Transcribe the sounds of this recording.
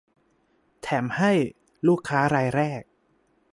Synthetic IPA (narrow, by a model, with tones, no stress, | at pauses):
t̪ʰɛː˩˦mha˥˩j | luː˥˩kʰːaː˦˥ɾaː˧jɾɛː˥˩k̚